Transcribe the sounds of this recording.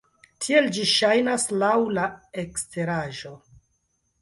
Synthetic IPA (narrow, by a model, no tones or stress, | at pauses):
tʰie̞ld͡ʒiʃajnaslawlaekstʰe̞ɾaʒo̞